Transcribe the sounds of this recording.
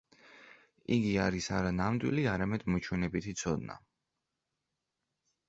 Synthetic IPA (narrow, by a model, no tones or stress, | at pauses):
iɡiaɾisaɾanamd̪wḭliaɾamɛd̪̥mɔt͡ʃʰunɛbit̪ʰit̪sʰɔd̪na̰